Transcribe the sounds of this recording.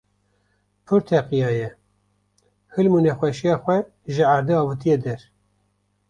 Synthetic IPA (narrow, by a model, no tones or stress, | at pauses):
pʰɨɾt̪ʰɛqijɑːjɛ | hɨlmunɛxʷɛʃijɑːxʷɛ | ʒɨaɾd̪eɑːvɨt̪ʰijed̪ɛɾ